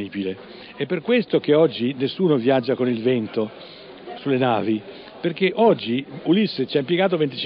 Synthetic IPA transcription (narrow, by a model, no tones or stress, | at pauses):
iːbile | ɛpːerkwest̪okeɔd͡ʒːinesːuːnovjad͡ʒːakonilvɛnt̪o | sulːenaːvi | peɾk̟eʔɔd͡ʒːiulisːet͡ʃiampjeɡaːt̪̬ovent̪̬i̥t͡ʃi